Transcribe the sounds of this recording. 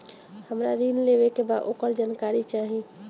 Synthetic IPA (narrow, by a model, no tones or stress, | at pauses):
həmɾa̰ɾinlebekebad̪ʔokəɾd͡ʒankaɾit͡ʃaɦi